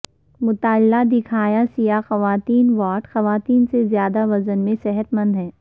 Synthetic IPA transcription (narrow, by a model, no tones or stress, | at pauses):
mʊt̪aːlːad̪ɪkʰaːjasijaxɐʋaːt̪iːnʋaːʈxɐʋaːt̪iːnsezjaːd̪aʋɐzənmẽsɛɦət̪mə̃nd̪ɦɛ̃ː